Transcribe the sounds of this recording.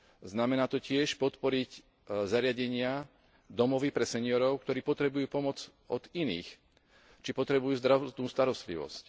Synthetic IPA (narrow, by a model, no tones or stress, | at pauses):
znamɛnaːt̪ɔcɪɛʃpɔt̪pɔɾic | zaɾɪaɟɛɲɪa | d̪ɔmɔʋipɾɛsɛɲɪɔɾɔʊk̚t̪ɔɾiːpɔt̪ɾɛbujuːpɔmɔd͡z | ɔd̪̥inḭːx | t͡ʃipɔt̪ɾɛbujuːzd̪ɾat̪nuːst̪aɾɔst̪lḭʋɔ̰sc